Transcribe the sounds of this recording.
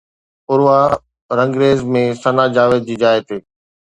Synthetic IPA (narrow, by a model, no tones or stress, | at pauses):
ʊɾʋaː | ɾə̃ŋɡɾeːzmẽsənaːd͡ʑaːʋeːd̪̚d͡ʑiːd͡ʑaːet̪eː